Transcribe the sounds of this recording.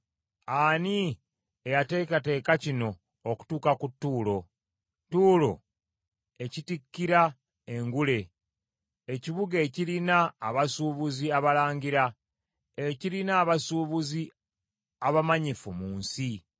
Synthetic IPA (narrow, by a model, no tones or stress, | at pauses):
ani | ejate̞ːkate̞ːkacino̞ː | ku̥tuːkakutːuːlo̞ | tuːlo̞̰ | ecitikːiɾa | e̞ŋɡule̞ | eciβuɡe̞cilinaːβasuːβuziaβalaːɲɟiɾa | ecilinaːβasuːβuzi | aβamaɲifumuːnsi